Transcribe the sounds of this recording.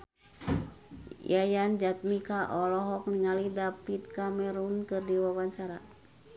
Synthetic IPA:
jajand͡ʒat̪̚mikaʔɔlɔɦɔk̚niŋalidapit̪̚kamɛɾunkɨrdiwawaɲt͡ʃaɾa

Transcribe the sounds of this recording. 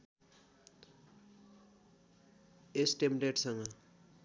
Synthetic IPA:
esʈemɖeʈsʌŋɡʌ

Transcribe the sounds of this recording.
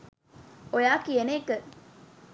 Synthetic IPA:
ojaːkienekə

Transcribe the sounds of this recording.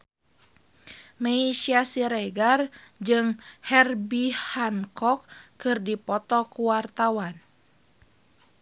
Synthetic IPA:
maiʃiasiɾeɡard͡ʒɨŋhɛrbihankɔkːɨrdipɔt̪ɔkuwart̪awan

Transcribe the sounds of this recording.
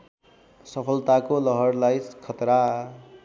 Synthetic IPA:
sʌpʰʌlt̪akolʌɦʌrlajskʰʌt̪ɾa

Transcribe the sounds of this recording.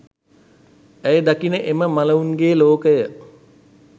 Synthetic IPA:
æjəd̪akinəʔeməmaləunɡeːloːkəjə

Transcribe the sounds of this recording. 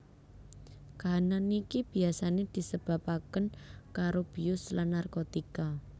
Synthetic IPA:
kaananikib̥i̤asaned̪̥i̤səb̥a̤pakənkaɾob̥iʊslanːarkot̪ika

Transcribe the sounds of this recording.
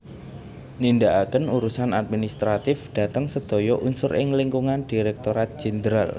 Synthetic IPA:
nindaʔakənuɾusanad̪̚minist̪ɾat̪ɪfd̥ä̤t̪əŋsəd̪̥o̤jɔʔunsʊɾɪŋliŋkuŋand̥iɾɛk̚t̪oɾat̪̚ʒ̥ɛ̤nd̪ɾal

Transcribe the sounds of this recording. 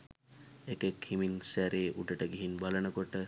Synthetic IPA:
ekekhiminsæɾeːʔuʈəʈəɡiɦinbalənəkoʈə

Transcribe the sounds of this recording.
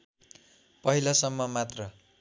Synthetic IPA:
pʌɦilʌsʌmːʌmat̪rʌ

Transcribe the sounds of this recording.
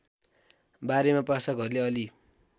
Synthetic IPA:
baɾemaprasʌkʌɾuleʌli

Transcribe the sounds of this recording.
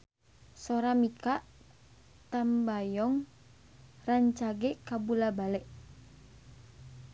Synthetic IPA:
soɾamikaʔ | t̪ambajɔŋ | raɲt͡ʃaɡɛkabulabalɛʔ

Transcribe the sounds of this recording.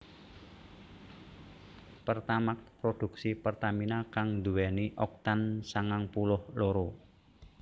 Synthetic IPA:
pərt̪amak̚pɾod̪̥ṳk̚sipərt̪aminakaŋd̪uwɛniʔɔk̚t̪ansaŋaŋpulʊhloɾo

